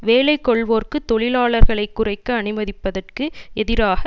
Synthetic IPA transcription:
ʋeːlɐɪkːɔɭʋoːrkɯt̪ːɔɭɪlaːɭɐɾɣɐɭɐɪkːʊrɐɪkːɐɐɳɯmɐðɪpːɐðɐrkɯɛðɪɾaːɣɐ

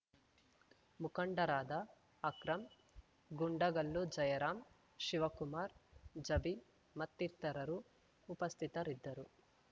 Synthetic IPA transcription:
mukɐɳɖɐɾaːd̪ɐː | kɾɐm | ɡuɳɖɐɡɐlːud͡ʒɐjɐɾaːm | ʃiʋɐkumaːɾd͡ʒɐbi | mɐt̪ːiɾt̪ɐɾɐɾuː | pɐst̪ʰit̪ɐɾid̪ːɐɾu

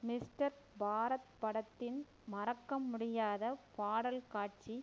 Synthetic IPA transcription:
mɪsʈɐɾ | bʱaːɾɐt̪̚pɐɽɐt̪ːɪn | mɐɾɐkːɐmʊɽɪjaːðɐpaːɽɐlkaːʈ̚t͡ʃi

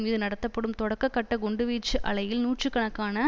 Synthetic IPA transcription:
mɪðɯnɐɽɐt̪ːɐpːɔɽɯmt̪ɔɽɐkːɐkːɐʈːɐɡɔɳɖɯʋiːt͡ʃːɯʔɐɭɐjɪlnuːʈt͡ʃrɯkːɐɳɐkːaːnɐ

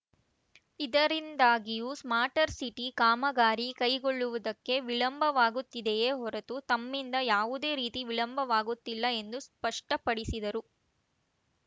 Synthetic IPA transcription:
id̪ɐɾind̪aːɡijuːsmaːɾʈɐɾsiʈikaːmɐɡaːɾikɐjɡoɭːuʋud̪ɐkːe̞ʋiɭɐmbʱɐʋaːɡut̪ːid̪eeːɦɔɾet̪ut̪ɐmːind̪ɐjaːʋud̪e̞ːɾiːt̪iʋiɭɐmbʱɐʋaːɡut̪ːilːɐe̞nd̪uspɐʂʈɐpɐɽisid̪ɐɾu

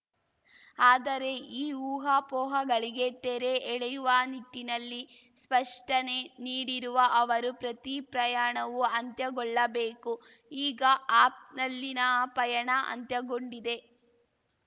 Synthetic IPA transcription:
aːd̪ɐɾe̞iːuːɦaːpɔːɦɐɡɐɭiɡe̞t̪eɾe̞ɛɭejuʋɐniʈ̪ːinɐlːi | spɐʂʈɐneniːɽiɾuʋɐʔɐʋɐɾupɾɐt̪ipɾɐjaːɳɐʋuɐnt̪jɐɡɔɭːɐbeːku | iːɡɐaːp̚nɐlːinɐpɐjɐɳɐʔɐ̰nt̪jɐɡo̞ɳɖid̪e̞

